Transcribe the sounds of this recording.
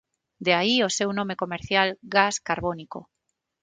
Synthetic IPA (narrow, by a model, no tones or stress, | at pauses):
d̪eaiosewnõmekomeɾθjalɡaskaɾβoniko̰